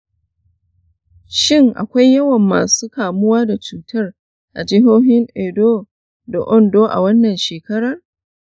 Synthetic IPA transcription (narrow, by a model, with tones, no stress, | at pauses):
ʃɪ˦˨ŋʔa̰˨kʷa˦jːɐ˦wɐ˨mːaː˨suː˦kaː˨mʊ˦waː˦da˨t͡ʃuː˨tʰɐ˦r | ʔa˨d͡ʒɪ˦ɦoː˦ɦɪ˦ŋʔeː˨doː˦ | da˨ʔɔ˦ndoː˦ʔa̰˨wɐ˦nːɐ˨nʃeː˨kɐ˦ɾɐ˨r